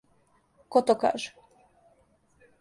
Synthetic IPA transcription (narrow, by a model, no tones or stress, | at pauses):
kot̪oka̰ːʒɛ̥